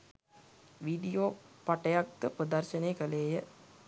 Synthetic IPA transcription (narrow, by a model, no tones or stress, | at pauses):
ʋiɖijoːpaʈəjakːəprəd̪ɐrʃəneːkəleːjə